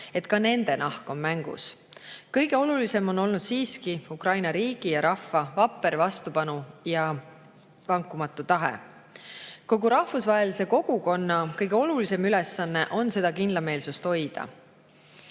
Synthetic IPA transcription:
e̞t̪kɑne̞nd̪̥e̞nɑhko̞mmæŋɡ̥ṵs | kɤjɡ̥e̞o̞lulise̞mo̞nːo̞lnud̪siːskiukrɑjnɑɾiːɡ̥ijɑɾɑfːɑvɑpːˑe̞ɾvɑst̪upɑnujɑ | vɑŋkːˑumɑt̪ːˑut̪ɑɦḛ | ko̞ɡuɾɑhfusvɑɦe̞lise̞ko̞ɡ̥uko̞nːɑkɤjɡeo̞lulise̞mylesːɑnːe̞ʔo̞nse̞d̪̥ɑkind̪lɑme̞ːlsust̪ho̞jd̪̥ɑ̰

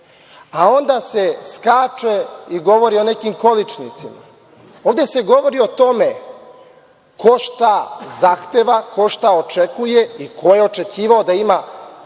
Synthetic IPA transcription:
ao̞nd̪ase̞skaːt͡ʃe̞iɡo̞ʋo̞ɾio̞ne̞kimko̞lit͡ʃnit̪sima̰ | oːʋd̪e̞se̞ɡo̞ʋo̞ɾio̞t̪o̞me̞ | kʰo̞ʃt̪azaxt̪e̞ʋako̞ʃt̪ao̞t͡ʃe̞kuje̞ikʰo̞je̞o̞t͡ʃe̞kiːʋao̞d̪aima

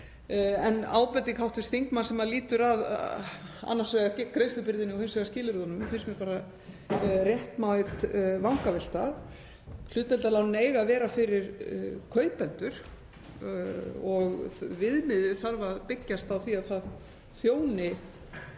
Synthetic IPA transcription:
ɛna̰ːwpɛt̪ɪkʰawht̪ʏst̪θiŋkmansɛmaðliːt̪ʏɾað | a̰nːasvɛɣakɾejst̪ʏpɪɾðɪnɪɔhɪnsɛɣascɪːlɪɾðɔnʏmθesmɛɾpaːɾa | rjɛht̪maɪt̪vawŋkavɛl̥t̪að | kʰl̥ʏːt̪ɛnt̪alawnʏneːjɣavɛːɾafɪɾɪɾkʰœːɥpɛnt̪ʏɾ̥ | ɔɣvɪðmɪðɪθaɾvaðpɪcːast̪awθiaðθað | θjoːwnɪ

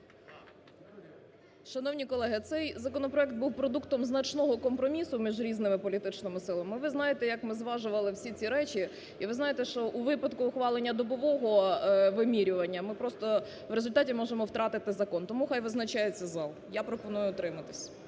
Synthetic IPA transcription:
ʃɐnɔwnʲikɔlˠɛɦɪt̪sɛjzɐkɔnɔpɾɔɛkt̪̚buwpɾɔd̪ukt̪ɔmznɐt͡ʃnɔɦɔkɔmpɾɔmʲisʊmʲiʒɾʲiznɪmɪpɔlʲit̪ɪt͡ʃnɪmɪsɪlˠɐmɪʋɪznɑjet̪ɛjɐkmɪzʋɑʒʊʋɐlˠɪwsʲit͡sʲiɾɛt͡ʃi | iʋɪznɑjet̪ɛʃt͡ʃɔʔuʋɪpɐd̪kʊːxʋɑlˠenʲːɐd̪ɔbɔʋɔɦɔʋɪmʲiɾʲʊʋɐnʲːɐmɪpɾɔst̪ɔ | wɾezʊlʲt̪ɑtʲimɔʒemɔwt̪ɾɑt̪ɪt̪ɪzɐkɔnt̪ɔmuxajʋɪznɐt͡ʃɑjet͡sʲɐzɑlˠjapɾɔpɔnujʊːt̪ɾɪmɐt̪ɪ̥sʲ

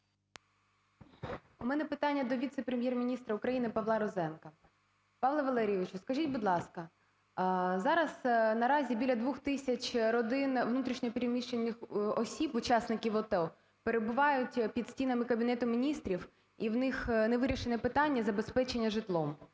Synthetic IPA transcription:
umɛnɛpɪt̪ɑnʲːɐd̪ɔʋʲit̪sɛpɾemʲjɛrmʲinʲist̪ɾɐʊkɾɐjinɪpɐʋlˠɑɾɔzɛnkɐ | pɑʋlˠɐʋɐlˠɛɾʲijɛʋɪt͡ʃʊskɐʒʲitʲbʊd̪lˠɑskɐ | zɑɾɐznɐɾɑzʲibʲilʲɐd̪ʋuxt̪ɪsʲɐt͡ʃɾɔd̪ɪnʋnut̪ɾʲiʃnʲɔɔpʲiɾʲimʲiʃt͡ʃenʲːɪxɔsʲibʊt͡ʃɑsnɪkʲiʋɔt̪ɛ | peɾebʊʋɑjʊtʲpʲid̪sʲtʲinɐmɪkɐbʲinɛt̪ʊmʲinʲist̪ɾʲiw | iwnɪxneʋɪɾʲiʃenɛpɪt̪ɑnʲːɐzɐbespɛt͡ʃenʲːɐʒɪt̪lˠɔm

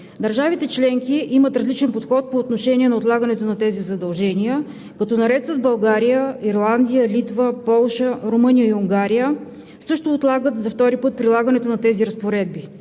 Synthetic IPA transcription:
d̪ɐɾʒavit̪ɛt͡ʃlɛŋkiʔimət̪ɾɐzlit͡ʃɛnpot̪xɔt̪̚poːt̪noʃɛnʲiɛnɐot̪lˠaɡənɛt̪onɐt̪ɛzizɐd̪ɐlˠʒɛnijə | kɐt̪ɔnɐɾɛt̪səzbɐlˠɡaɾijəiɾlˠand̪ijəlit̪vəpɔlˠʃəɾomɤnijəiuŋɡaɾijə | sɤʃt̪ʊːt̪lˠaɡət̪zɐft̪ɔɾipɤt̪̚pɾilˠaɡɐnɛt̪onɐt̪ɛziɾɐspoɾɛd̪̚bi

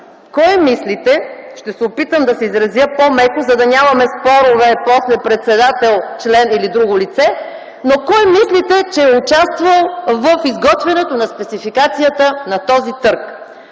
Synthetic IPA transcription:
kɔjmislit̪ɛʃt̪ɛsɛʊpit̪əmd̪ɐsɛizɾɐzjəpomɛkʊzɐd̪ɐnʲamɐmɛspɔɾovɛpɔslɛpɾɛt̪sɛd̪at̪ɛlˠt͡ʃlɛnilid̪ɾuɡʊlit̪sɛ | nokɔjmislit̪ɛt͡ʃɛːʊt͡ʃast̪vəlˠvəfizɡɔt̪vɛnɛt̪onɐspɛt̪sifikat̪sijət̪ənɐt̪ɔzit̪ɤɾk

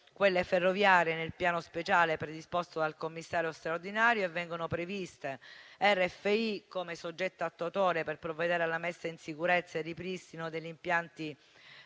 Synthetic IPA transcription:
kwelːeferːovjaːɾjenelpjaːnospet͡ʃaːlepɾed̪ispost̪od̪alkomːisːaːɾjost̪ɾard̪inaːɾjoevːɛŋɡonopɾevist̪eɛrːɛfːeikːomesod͡ʒːɛt̪ːaat̪ːoat̪oːɾeperpɾovːed̪ɛːɾalːamɛsːainsikuɾet̪sːaed̪ipɾist̪inod̪eʎːimpjant̪i

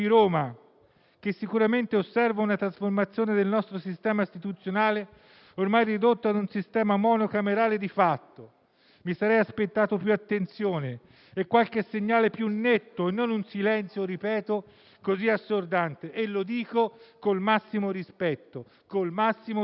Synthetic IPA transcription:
iɾoːma | k̟esːikuɾament̪eosːɛrvaunat̪ɾasformat̪sːjoːned̪elnɔst̪ɾosist̪ɛːmaist̪it̪ut̪sjonaːle | ormajrid̪ot̪ːoad̪unsist̪ɛːmamɔːnokameɾaːled̪ifat̪ːo | misaɾɛjaspet̪ːaːt̪opjuat̪ːent̪sjoːne | ɛkːwalk̟esːeɲːaːlepjunːet̪ːoenːonunsilɛnt̪sjoɾipɛːt̪o | koziasːord̪ant̪eʔelːod̪iːkokolmasːimoɾispɛt̪ːo | kolmasːimo

